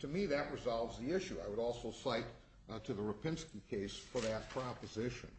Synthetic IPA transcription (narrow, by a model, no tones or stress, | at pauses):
tʰɨmiðɨʔ̚ɹɨzɑlˠvzðiɪʃʉaɪwəɾɔlˠsoʊsaɪt | tʰɨðəɹɨpʰɪ̃nskikʰeɪsfə˞ðɨt̚pʰɹ̥ɑpəzɪʃɨ̰̃n